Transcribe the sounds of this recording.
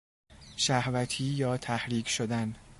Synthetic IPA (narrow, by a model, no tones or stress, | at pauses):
ʃæhvæt̪ʰiːjɒːt̪ʰæhɾiːkʰʃod̪æn